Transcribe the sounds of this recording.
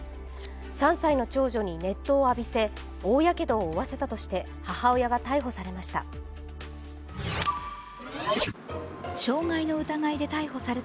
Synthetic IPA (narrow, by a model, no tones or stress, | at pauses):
sãɰ̃saino̞t͡ɕo̞ːʑo̞ɲ̟ine̞t̪ːo̞ːabʲise̞ | oːjake̞d̪o̞ːβase̞t̪at̪o̞ɕi̥t̪e̞ | hahao̞jaɡat̪aiɦo̞saɾe̞maɕi̥t̪a̰ | ɕo̞ːŋaino̞ɯ̟t̪aŋaid̪e̞t̪aiɦo̞saɾe